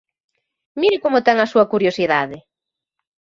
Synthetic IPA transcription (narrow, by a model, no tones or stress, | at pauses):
miɾɪkomʊt̪ɛŋɐsuɐkuɾjosiðaðɪ